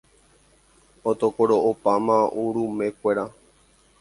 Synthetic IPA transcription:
ot̪okoɾoʔopamãʔuɾumẽ̞kʷeɾa

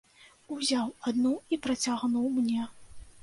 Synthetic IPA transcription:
uzʲawad̪nuipɾɐt͡sʲaɣnuwmnʲɛ

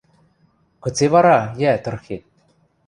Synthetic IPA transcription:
kɤ̆t͡sevɑɾɑjæt̪ɤ̆rxet̪̚

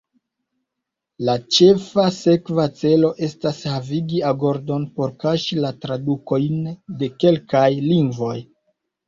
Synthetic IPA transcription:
lat͡ʃe̞fase̞kvat͡se̞lo̞ʔe̞stashaviɡiaɡo̞ɾdo̞npo̞ɾkaʃilatɾaduko̞jnde̞ke̞lkajliŋɡvo̞j

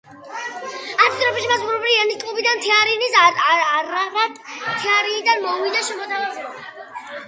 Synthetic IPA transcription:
at̪ʰit̪ʼɾɔpɛʃimasuɾɔbɾianist̪ʼlˠubid̪ant̪ʰɛaɾinis | ɾaɾat̪ʰɛaɾinid̪anmɔwid̪aʃɛmɔt̪ʰavazɛa

